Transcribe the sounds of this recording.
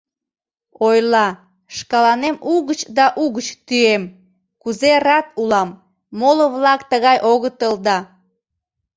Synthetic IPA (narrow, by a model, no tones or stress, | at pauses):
ojlɑ | ʃkɑlɑnemuɣət͡ɕd̪ɑʔuɣət͡ɕt̪yem | kuzerɑt̪̚ulɑmː | oləβlɑkt̪əɣɑjʔoɣət̪əld̪ɑ